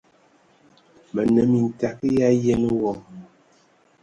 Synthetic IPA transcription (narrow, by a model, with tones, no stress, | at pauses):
mə˨nə˨mi˨n̩˨ta˨k̚ja˦je˦n˦wɔ˨